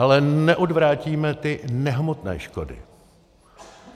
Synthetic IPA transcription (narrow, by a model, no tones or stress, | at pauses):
alɛnɛʔo̞dvɾaːciːmɛt̪ɪnɛɦmot̪nɛ̰ːʃkodɪ̰